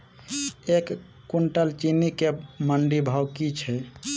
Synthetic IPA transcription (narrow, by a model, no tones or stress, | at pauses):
ekː | uɳʈəlt͡ʃinikeməɳɖibʱawkit͡ʃʰɛ